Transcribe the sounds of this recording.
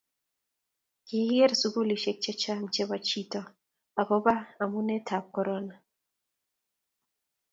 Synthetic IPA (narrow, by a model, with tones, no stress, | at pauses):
kɪ˨hɛ˦ɾsu˦ɡu˦li˨ʃɛ˦k̚t͡ʃɛ˦t͡ʃa˦mt͡ʃɛ˦ba˦t͡ʃi˦tɔ˨ | a˨bɔ˦ba˦a˨mu˦nɛ˦tʰa˨p̚kɔ˦ɾɔ˦na˨